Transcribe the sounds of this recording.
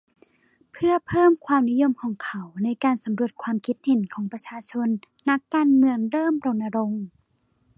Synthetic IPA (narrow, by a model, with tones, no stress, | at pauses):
pʰɯ˥˩ɐpʰɤː˥˩mkʰwaː˧mni˦˥jo˧mkʰɔː˩˦ŋkʰa˨˦wna˧˥˩jkaː˧˩nsa˨˩˦mɾu˧˩ət̪̚kʰwaː˧mkʰi˦˥t̪̚he˨˩˦nkʰɔː˩˦ŋpɾa˧t͡ɕʰaː˧t͡ɕʰo˧nː | a˦˥kːaː˧nmɯ˧əŋɾɤː˥˩mɾo˧ŋna˧ɾo˧ŋ